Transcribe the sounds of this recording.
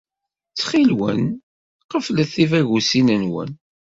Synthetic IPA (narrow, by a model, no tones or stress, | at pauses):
t͡sːχilwə̰n | qəfləθivæʝusinənwə̰n